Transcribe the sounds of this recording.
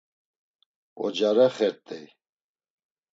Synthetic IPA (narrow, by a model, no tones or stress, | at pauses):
ɔ̰d͡ʒaɾaχɛɾt̪ʼɛj